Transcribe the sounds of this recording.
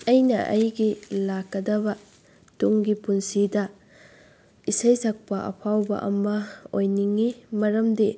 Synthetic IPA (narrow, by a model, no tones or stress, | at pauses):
ɐjnɐʔɐ̰jɡilakːɐdɐbɐ | tuŋɡipunsidɐ | isɐjzɐk̚pɐʔɐ̰pʰawbɐ̰ʔɐ̰mɐojniŋːimɐɾɐmde